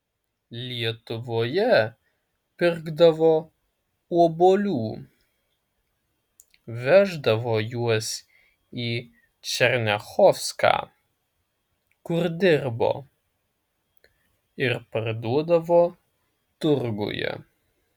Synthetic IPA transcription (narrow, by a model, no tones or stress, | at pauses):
lʲiɛt̪ʊʋoːjɛ | pʲɪɾɡd̪ɐʋoː | uɔboːlʲuː | ʋʲæʒd̪ɐʋoːjuɔs | iː | t͡ʃʲɛɾʲnʲɛxɔfskɑ̰ː | kʊɾd̪ʲɪɾbo̰ː | ɪɾpɐɾd̪uɔd̪ɐʋoː | t̪ʊɾɡʊ̰jɛ̰